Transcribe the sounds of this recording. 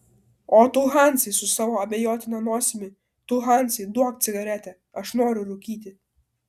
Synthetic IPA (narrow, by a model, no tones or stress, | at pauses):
oːt̪ʊɦɑˑnʲt̪sʲɪsʊsɑːʋoːɐbʲɛjoːt̪ʲɪnɐnoːsʲɪmʲɪ | t̪ʊɦɑˑnʲt̪sʲɪɪd̪uɔkt̪sʲɪɡɐɾʲɛt̪ʲɛ | ɐʃnoːɾʲʊɾʊkʲiːt̪ʲɪ